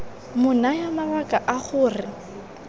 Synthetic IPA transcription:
mʊnajamaβakʼaʔaχʊːrɪ

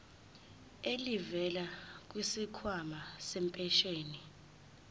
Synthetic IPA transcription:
elivɛlak̬ʼwisikʰwamasɛmpʼɛʃeːni

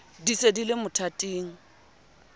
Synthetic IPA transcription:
disedilɪmʊtʰatʼiːŋ̩

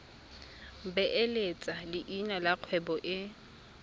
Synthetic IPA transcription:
bɛʔelet͡sʼalɪʔinalaq͡χʰwɛbɔʔɪ

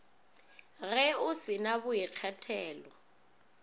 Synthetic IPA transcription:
ɣɛʊsinaβʊjik͡xʰɛtʰɛːlɔ

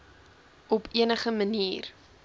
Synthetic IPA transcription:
ʔɔpʰiənəχəməniːr

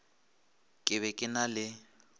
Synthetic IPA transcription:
kʼɪβɛkʼɪnalɪ

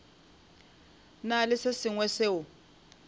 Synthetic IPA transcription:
nalɪsesɪŋwɛseʊ

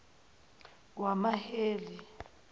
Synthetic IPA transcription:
wamaheːli

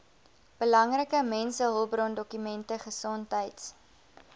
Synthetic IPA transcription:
b̥əlɐŋrəkəmɛnsəɦɔlˠbrɔndɔkymɛntəχəsɔntɦəjts

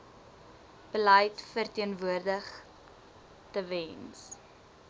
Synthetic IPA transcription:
b̥əlɐjtfərtiənvuərdəχ | təvɛns

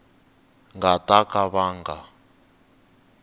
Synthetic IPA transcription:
ŋɡatʼakʼaβaːŋɡa

